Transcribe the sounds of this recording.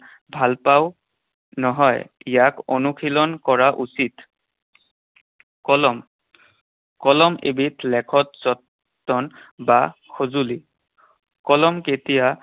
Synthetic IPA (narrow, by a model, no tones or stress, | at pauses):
bʱalpaw | nɔɦɔjijakonukʰilɔnkɔɹaʔusit | kɔlm | kɔlɔmḛbitʰlɛkʰɔt̚zɔtː | ɔnbakʰozuli | kɔlɔmketija